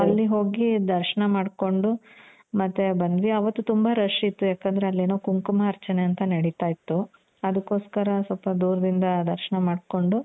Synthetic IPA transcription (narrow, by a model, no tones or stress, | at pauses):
ɐlːiɦo̞ːɡid̪ɐɾʃɐɳɐmaːɖko̞ɳɖu | mɐt̪ːebɐnd̪ʋiɐʋɐt̪ːut̪umbaɾɐʂiːt̪ːujaːkɐnd̪ɐɾe̞ɐlːeːnoːkuŋkumɐːɾt͡ʃɐneɐnt̪ɐnɐɽit̪aːjit̪ːu | ɐd̪ɐkːoːskɐɾɐsɔlpɐd̪uːɾɐd̪ind̪ɐd̪ɐɾʃɐɳɐmaːɖko̞ɳɖu